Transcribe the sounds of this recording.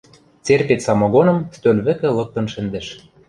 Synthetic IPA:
t͡serpet̪sɑmoɣonɤ̆mst̪ølʲβɘ̆kɘ̆lɤ̆k̚t̪ɤ̆nʃɘ̆nd̪ɘ̆ʃ

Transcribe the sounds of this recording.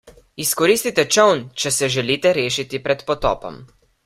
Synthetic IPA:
iskɔɾiːst̪it̪ɛt͡ʃəwnt͡ʃɛsɛʒɛliːt̪ɛɾeːʃit̪ipɾɛt̪pɔt̪ɔ̰ːpɔ̰m

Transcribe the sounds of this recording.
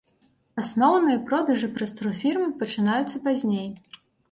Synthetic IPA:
asnɔwnɨjɐpɾɔd̪ɐʐɨpɾɐst̪ɾufʲirmɨpɐt͡ʂɨn̪ajut̪sːɐpazʲnʲej

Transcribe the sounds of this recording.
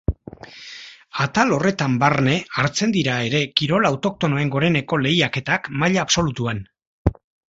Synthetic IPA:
at̪alo̞re̞t̪ambarne̞aɾt͡se̞nd̪iɾae̞ɾe̞kiɾo̞lawt̪o̞k̚t̪o̞noe̞ŋɡo̞ɾe̞ne̞ko̞le̞jake̞t̪akmaʎaːpso̞lut̪uan

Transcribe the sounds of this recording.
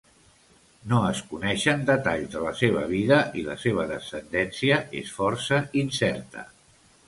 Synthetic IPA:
noəskunɛʃənd̪ət̪aʎd̪ələseβ̞ə̰βiðəʔilə̰seβ̞əðəsənd̪ɛnsiəʔḛsfɔɾsəinsɛɾt̪ə̰

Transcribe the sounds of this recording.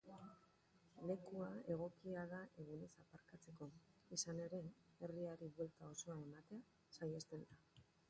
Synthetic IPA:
le̞kuae̞ɣ̞o̞kiaðaʔe̞ɣ̞une̞sapaɾkat͡se̞ko̞isane̞ɾe̞eriaɾiβwelt̪ao̞so̞ae̞mat̪e̞a | sajest̪e̞nd̪a

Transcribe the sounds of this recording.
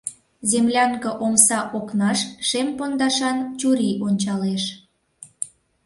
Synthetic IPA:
zemlʲɑŋkə̆ʔomsɑʔoknɑʃʃempond̪ɑʃɑnt͡ɕuɾiʔonʲt͡ɕɑleʃ

